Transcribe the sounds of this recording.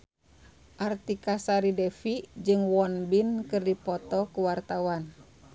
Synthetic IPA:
ʔart̪ikasaɾidɛfid͡ʒɨŋwɔnbinkɨrdipɔt̪ɔkuwart̪awan

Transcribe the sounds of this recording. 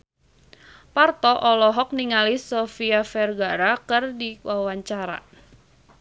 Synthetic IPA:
part̪ɔʔɔlɔɦɔk̚niŋalisɔfiafɛrɡaɾakɨrdiwawaɲt͡ʃaɾa̰

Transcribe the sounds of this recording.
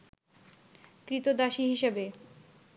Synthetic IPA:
kɾit̪od̪aʃiɦiʃebe

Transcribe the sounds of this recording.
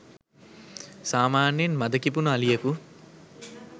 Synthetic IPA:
saːmaːnjenmɐd̪ɐkip̬unuɐlijɐku

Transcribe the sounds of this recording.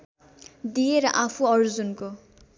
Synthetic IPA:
d̪ijeɾʌʔapʰuʌɾud͡zunko

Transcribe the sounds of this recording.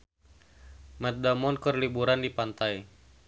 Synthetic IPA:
mɛt̪̚damɔnkərlibuɾandipant̪aj

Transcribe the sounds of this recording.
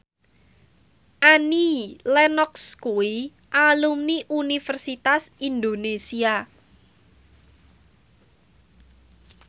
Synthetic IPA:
ʔanilɛnɔkskui | ʔalumniʔunifərsit̪asind̪onesia

